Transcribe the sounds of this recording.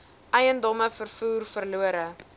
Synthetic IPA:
ʔəjəndɔməfərfuːrfərluəɾə

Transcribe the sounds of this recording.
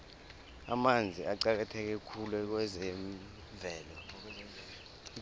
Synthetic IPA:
a̰mand͡zʱiaǀak̬atʰɛk̬ɛkʰulwɛk̬wɛzɛɱ | vʱɛːlɔ

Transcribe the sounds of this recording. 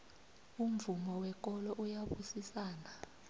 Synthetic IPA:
um̩vumɔwɛk̬ʼɔlɔʔujaɓusisaːna

